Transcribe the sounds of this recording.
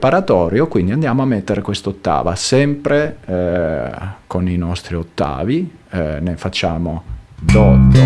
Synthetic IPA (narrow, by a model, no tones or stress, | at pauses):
paɾat̪ɔːɾjokwind̪iand̪jaːmoamːet̪ːeɾekwest̪ot̪ːa̰ːva̰sɛmpɾe | koninɔst̪ɾiot̪ːa̰ːvi | nefat͡ʃːaːmod̪ɔt̪ːe